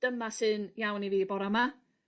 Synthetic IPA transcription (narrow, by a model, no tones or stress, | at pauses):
d̥əmasɨnjawniviːbɔɾama